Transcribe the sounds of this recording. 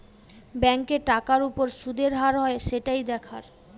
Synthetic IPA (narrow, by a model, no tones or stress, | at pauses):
bɛŋkeʈakaɾupoɾʃud̪ʱeɾɦaɾɦɔeʃeʈajd̪ɛkʰaɾ